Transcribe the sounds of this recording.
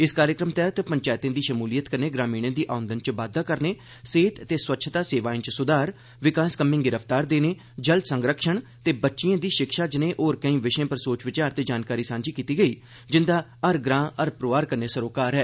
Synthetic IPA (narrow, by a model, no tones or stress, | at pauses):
ɪskaːɾjəkɾəmt̪ɛːt̪pəɲt͡ʃaːɪt̪ãːd̪iːʃəmuːliːət̪kəɾneːɡɾãːmĩːɽ̃ãːd̪iːʔaːʊ̃nd̪ənt͡ʃʋaːd̪ːaːkəɾneː | seːt̪t̪eːswətːʃʰt̪aːseːʋaːĩːt͡ʃsʊd̪aːɾ | ʋɪkaːskəmɪ̃ŋɡɪɾəft̪aːɾd̪eːneː | d͡ʒəld̪sə̃ŋɡɾəkʃəɳt̪eːbətːʃijãːd̪iːʃɪkʃaːd͡ʒɪnẽːʔoːɾkəĩːʋɪʃẽːpəɾsoːt͡ʃʋɪt͡ʃaːɾt̪eːd͡ʒaːnkaːɾiːsãːnd͡ʒiːkiːt̪iːɡəiː | d͡ʒɪnd̪aːəɾɡɾãːəɾpɾoːaːɾkəɾneːsəɾoːkaːɾɦɛː